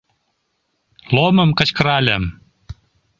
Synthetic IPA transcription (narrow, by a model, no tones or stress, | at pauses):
lomə̆mkə̆t͡ɕkəɾɑlʲæm